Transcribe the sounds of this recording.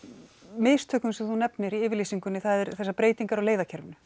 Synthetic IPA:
meːðst̪ʰʏːkʏnsɛθunɛpnmjɛɾiɪːvɪɾlisiŋkʏnɪθaðɛɾθɛsːapɾeːjt̪iŋkaɾɔleːjðacʰɛɾvʏnʏ̥

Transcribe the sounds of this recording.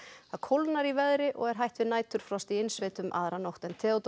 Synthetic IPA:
θaðkʰowlnaɾivɛðɾɪʔɔɣɛɾ̥ɦajht̪vɪðnaːjt̪ʏɾ̥fɾɔst̪iɪnsveːjt̪ʏmʔa̰ðɾanowht̪ɛnt̪ʰɛːot̪

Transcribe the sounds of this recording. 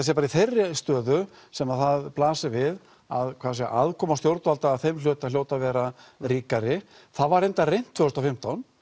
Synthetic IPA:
as̬ɛpaːɾiθejrːɪst̪œːðʏ | sɛmaðθaðplaːsɪvɪð | aðkʰvaːs̬ɛa̰ʔaðkʰɔːmast̪jowɾt̪ʏalt̪aːðθejml̥œːt̪aljowt̪avɛːɾaɾiːkaɾɪ | θaðvaɾejnt̪arejn̥t̪ʰvʏːʏst̪afɪm̥t̪awn

